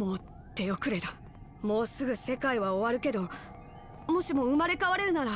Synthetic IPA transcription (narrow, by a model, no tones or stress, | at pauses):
mo̞ː | t̪e̞o̞kɯ̟ɾe̞t̪a | mo̞ːsɨɡɯ̟se̞kaiβao̞βaɾɯ̟ke̞d̪o̞ | mo̞ɕimo̞ɯ̟maɾe̞kaβaɾe̞ɾɯ̟naɾa